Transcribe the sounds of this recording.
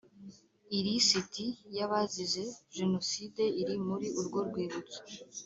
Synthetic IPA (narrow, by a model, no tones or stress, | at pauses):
iɾisitijaβaziʒe̞ʒe̞no̞side̞iɾimuɾiʔuɾɡo̞ɾɡwiːβut͡so̥